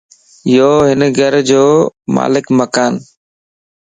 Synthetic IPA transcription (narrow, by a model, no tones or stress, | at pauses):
ɪjoːɦɪnɡʱəɾd͡ʒoːma̰ːlɪkməkaːn